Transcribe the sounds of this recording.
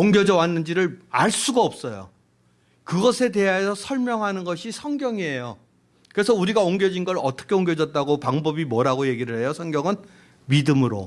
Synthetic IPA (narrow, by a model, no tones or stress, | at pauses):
oŋɡjʌd͡ʑʌwanːɯnd͡ʑiɾɯɭaɭs͈uɡaʌp̚s͈ʌjo̰ | kɯɡʌsʰe̞te̞ɦaesʰʌsʰʌɭmjʌŋɦanɯnɡʌɕʰisʰʌŋɡjʌŋiɦe̞jo | kɯɾesʰʌuɾiɡaoŋɡjʌd͡ʑinɡʌɾʌt͈ʌ̥kʰe̞oŋɡjʌd͡ʑʌt̚t͈aɡopaŋbʌbimwʌɾaɡoje̞ɡiɾɯɭɦe̞josʰʌŋɡjʌŋɯn | midɯmɯɾo̰